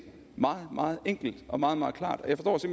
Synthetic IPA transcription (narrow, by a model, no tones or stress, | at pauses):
mɑ̈ːð̩ˠmʔɑ̈ːð̞̩ˠeŋ̰ɡ̥l̩d̥ɒ̽mɑ̈ːð̞̩ˠmɑ̈ːð̞̩ˠkʰlɑ̰̈ːd̥ɒjɑfɒstɒ̰ːse̝m̰b